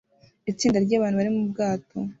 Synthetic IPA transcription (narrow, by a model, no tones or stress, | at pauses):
it͡siːndaɾɟaːβaːnhuβaɾimubɡaːtʰo̞